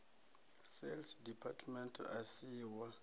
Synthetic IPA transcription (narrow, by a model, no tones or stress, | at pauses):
sɛlsdipʰatʰmɛntʰasiːwa